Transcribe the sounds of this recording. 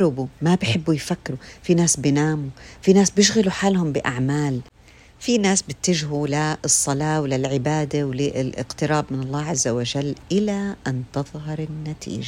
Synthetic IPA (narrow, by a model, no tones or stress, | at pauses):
ɾɪbumabɪħɪbːujfakːɾufinaːsbɪnaːmufinaːsbjɪʃɣaluħaːlhʊmbɪʔaʕmaːl | finaːsbɪt̪ːɪʒɦulaɨsˤːɑlɑːwlɪlʕɪbaːd̪awlɪlʔɪ̰qt̪ɪɾˤɑːbmɪnɑlˤːaːʕazːawaʒalːʔɪlaʔant̪ɨðˤɦɑɾˤɪnːat̪ʰḭːʒa